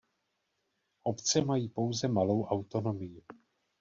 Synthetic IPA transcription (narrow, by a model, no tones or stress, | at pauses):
ʔo̞pt͡sɛmajiːpo̞wzɛmalo̞wʔawt̪o̞no̞mɪjɪ